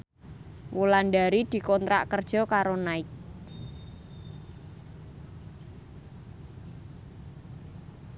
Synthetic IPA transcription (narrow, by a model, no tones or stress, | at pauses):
wulanɖaɾid̪̥i̤kɔnt̪ɾa̰ʔkərd̥ʒ̥ɔ̤kaɾonaɪk̚